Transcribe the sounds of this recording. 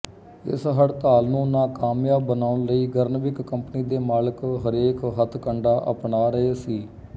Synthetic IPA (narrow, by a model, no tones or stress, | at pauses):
ɪ̰sɦəɽt̪aːlnũːnaːkaːmjaːbənaːʊnləiːɡəɾnʋɪkːəmpniːd̪eːmaːləkɦəɾeːkɦət̪ʰkəɳɖaːʔə̰pɳaːɾəɦeːsiː